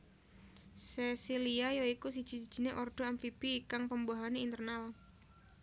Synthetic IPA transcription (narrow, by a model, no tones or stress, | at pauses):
sesiliajoikus̬id̥ʒ̥i̤sid̥ʒ̥i̤neʔɔrd̪̥o̤ɛmfib̥ikaŋpəmbaɦaneint̪ərnal